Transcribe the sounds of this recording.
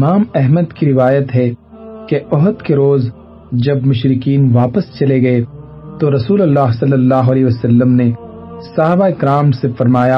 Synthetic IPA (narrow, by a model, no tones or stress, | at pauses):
maːmɛɦməd̪kiɾɪʋaːjət̪ɦɛ | keʔɔɦət̪keɾoːz | d͡ʒɐbmʊʃɾɪkiːnʋaːpəst͡ʃɐleɡɐe | t̪oɾɐsuːlɐlːaːɦsɐlːəlːaːɦoɐlɛːɦʋəsɐlːəmne | sɐɦaːbaɪkɾaːmsefɐɾmaːja